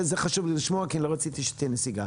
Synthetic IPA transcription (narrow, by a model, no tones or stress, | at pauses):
zeχaʃuvliliʃmoakinlo̞ʁat͡sit̪iʃet̪inesiɡa